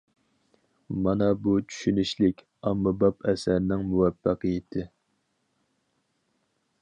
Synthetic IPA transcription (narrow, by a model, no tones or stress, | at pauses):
mɑnɑbut͡ʃʰy̥ʃynyʃlɪkʲ | ɑmːɑbɑpɛsæɾnɪŋmuwɛfːɑqɨjɪt̪ʰɪ